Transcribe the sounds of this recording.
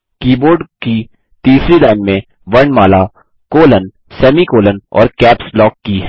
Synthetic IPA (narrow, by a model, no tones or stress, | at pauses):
kiːboːɾɖki | t̪iːsɾilaːɪnmẽ | ʋɐɾɳmaːla | koːlən | sɛːmikoːlənɔ̰ːɾkɛːpslɔːkːiɦɛ